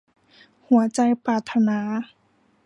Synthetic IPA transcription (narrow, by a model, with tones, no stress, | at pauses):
hu˩˦ɐt͡ɕa˧jpaː˨˩t̪ʰːa˧naː˩˦